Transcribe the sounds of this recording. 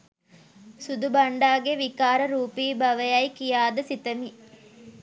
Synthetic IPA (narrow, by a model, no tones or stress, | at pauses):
sud̪ubɐɳɖaːɡeʋikaːɾəɾuːpiːbɐʋɐjɐjkijaːd̪ɐsit̪ɐmi